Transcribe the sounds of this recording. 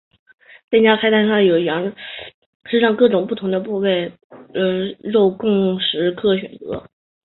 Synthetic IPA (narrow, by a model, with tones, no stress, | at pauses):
t̪t͡ɕja˥kʰa˥ɪt̪ʰa˥˧nʂɑ˥˩ŋjo˨˩ʊ˩jɑ˧˥ | ʂɻ̩˥˧ʂɑ˥˧ŋkɤ˥˩ʈ͡ʂʊ˨˩ŋpu˥˩t̪ʰʊ˧˥ŋd̪ə˧pu˥˧we˥˩ɪ | ə˧ɻo˥˧ʊkʊ˥˩ŋʂɻ̩˧˥kʰɤ˥˩ɕɥɛ̰˨˩nt͡sɤ̰˧˥